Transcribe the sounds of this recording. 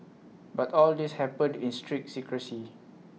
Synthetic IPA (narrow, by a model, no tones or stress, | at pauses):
batɔldishɛpə̃ndĩnstʰɹik̚sikɹəsi